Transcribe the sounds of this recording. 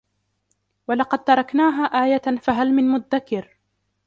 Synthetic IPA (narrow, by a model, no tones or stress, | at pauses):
walɑqɑd̪̚t̪ɑɾˤɑknaːɦaːʔaːjafaɦalmɪnmʊd̪ːakɪɾ